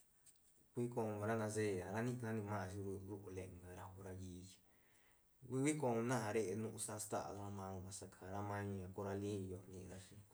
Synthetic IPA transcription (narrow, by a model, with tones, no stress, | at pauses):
kʷi˦kõ˧ɾa˦nã˧ze˦˨a˨ɾa˦nĩ˦ʔnã˦nĩ˧mã˦˧ʃi˧ɾɾu˦ʔu˧le˧ʔŋɡa˧ɾa˧hu˧ɾa˧jiː˦t͡ʃi̥˧ | kʷi˦kʷi˦kõ˧nã˦ã˧ɾe˦ʔe˧nũ˦ʔũ˧sa˧st̪a̰˦ʔa̰˧˨ða˧a˧mã˧õ˧˨βa˨sa˧kʰa˨ɾa˦mã˦˧ã˨ko˧ɾa˧lĩ˦˧˨jo˧nĩ˧ɾa˧ʃi˧